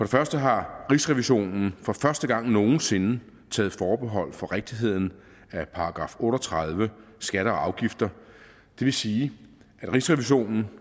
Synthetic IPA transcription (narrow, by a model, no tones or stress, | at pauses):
fɒ̽ɾefɶɐsd̥əɦɑ̈ʁisʁɛʋiɕo̝̰ːnn̩fɒ̽fɶɐsd̥əɡ̥ɑ̈ŋ̰no̝ːn̩se̝nə | t͡sʰɛ̰ːð̩ˠfɒːb̥e̝ɦɒ̽l̰fɒ̽ʁeɡ̥̚d̥iɦe̝ð̞̰ˠn̩ | æpʰɑ̈ɑ̈ɡ̥ʁɑ̈ːfɔ̽ːɾ̥ɒt͡sʰʁɑðˠʋəsɡ̥æɾəɒ̽ɑ̈ʊɡ̥ifd̥ɐ | d̥e̝ʋe̝siː | ʔæd̥ʁisʁɛʋiɕo̝̰ːnn̩